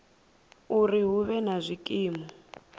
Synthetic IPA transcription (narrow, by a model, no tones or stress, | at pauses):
uriɦuβɛnazʷikʼiːmɔ